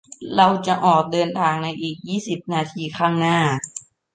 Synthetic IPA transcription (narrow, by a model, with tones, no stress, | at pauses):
ɾa˧wt͡ɕa˨˩ʔɔː˨˩k̚dɤː˧nt̪ʰaː˧ŋna˧jʔiː˨˩k̚jiː˥˩si˨˩p̚naː˧t̪ʰiː˧kʰaː˥˩ŋnaː˥˩